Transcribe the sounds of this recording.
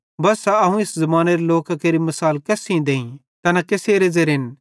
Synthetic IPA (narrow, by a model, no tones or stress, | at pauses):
bɐsaɐɦũɪszɐmaːneɾeloːkakeɾimɐsaːlkɛːsĩd̪eːĩ | t̪ɐnãkeːseːɾed͡ʒeɾɦɪn